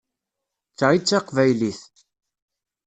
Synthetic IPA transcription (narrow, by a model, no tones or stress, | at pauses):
t͡sːʁit͡sːaqvæjliθ